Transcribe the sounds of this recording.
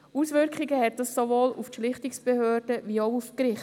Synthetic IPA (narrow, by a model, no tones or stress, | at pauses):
usʋʏɾkχiɡəhɛt̚d̥ɑsːoʋoːluftʃlɪχtiksb̥ehøːɾd̥əʋioʊufkɾɪχt